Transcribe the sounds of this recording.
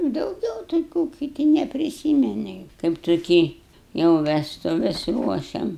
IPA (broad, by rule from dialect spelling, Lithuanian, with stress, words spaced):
dɐʊˈɡʲɛʊ tɐɪ ˈkuː kʲɪˈtʲɪ nʲɛpʲrʲɪˈsʲiːmʲɛnʲɪ kɐɪp tʊˈkʲiː jɛʊ ʋʲɛstʊˈʋʲɛs ˈruɔʃʲɛm